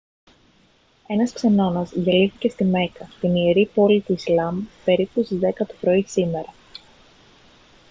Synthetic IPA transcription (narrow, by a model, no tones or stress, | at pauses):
e̞nɐskse̞nɐnɐzʝeliθice̞st̪ime̞kɐt̪inieɾipo̞lit̪uislɐmpe̞ɾipust̪izðe̞kɐt̪opɾo̞isime̞ɾɐ